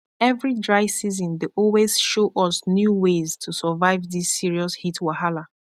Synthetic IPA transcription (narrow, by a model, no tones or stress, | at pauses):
ɛvɹidɹaɪsizɔ̃ndeʔɔlwez̥ʃoʔɔsnjuweztʰusɔvaɪvðisːiɹiɔshitʰwahala